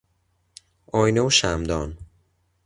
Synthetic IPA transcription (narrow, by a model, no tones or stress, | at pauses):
ɒːjneuʃæmd̪ɒːn